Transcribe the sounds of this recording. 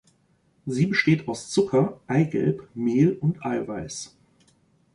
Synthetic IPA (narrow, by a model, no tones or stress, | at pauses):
ziːbəʃteːtaʊst͡sʊkʰɐʔaɪɡɛ̰lpmeːlʊntʔaɪvaɪs